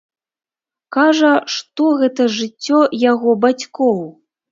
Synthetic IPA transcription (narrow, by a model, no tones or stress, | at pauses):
kaʐɐʂt̪ɔɣɛt̪ɐʐɨt͡sʲːɔjaɣɔbat͡sʲkɔw